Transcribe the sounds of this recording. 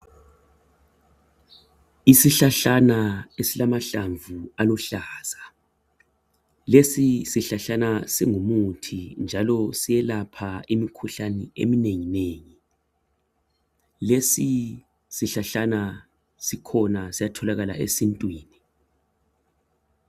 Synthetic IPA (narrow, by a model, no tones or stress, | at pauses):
isiɬaɬanaesilamaɬaɱvualɔɬaːz̥a | lesisiɬaɬanasiŋumutʰind͡ʒʱalɔsijɛlapʰaimikʰuɬaniḛmineŋineːŋi | lesi | siɬaɬana | sikʰɔnasijatʰɔlaɣala̰ʔḛsintʼwiːni